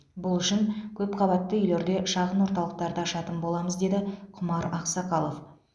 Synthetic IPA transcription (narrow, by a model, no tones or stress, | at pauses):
bʊlˠʏʃɪŋkʲʰɵpqʰɑβɑt̪ːəʏjle̞ɾd̪e̞ʃɑʁənwo̞ɾt̪ɑlˠəq̚t̪ɑɾd̪əʃɑt̪əmbolˠɑməzd̪e̞d̪ɪqʰʊmɑɾɑqsɑqɑlˠof